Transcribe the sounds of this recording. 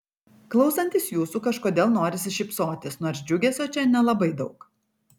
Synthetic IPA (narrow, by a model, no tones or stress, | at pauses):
klˠɒʊsɐnʲt̪ʲiːsjuːsuːkɐʃkoːd̪ʲeːlˠnoːɾʲɪsʲɪʃʲɪpsoːt̪ʲɪsnoːɾsd͡ʒʲʊɡʲɛsʲoːt͡ʃʲɛnʲɛlˠɐbɐɪd̪ɒʊk